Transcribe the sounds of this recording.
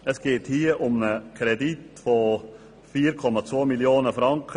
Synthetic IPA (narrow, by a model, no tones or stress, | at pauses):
əsɡ̥eːthiːəʔʊmnəkʰɾɛditfo | fiːɾkʰɔmɑt͡svoːmiljoːnəfɾɑŋkə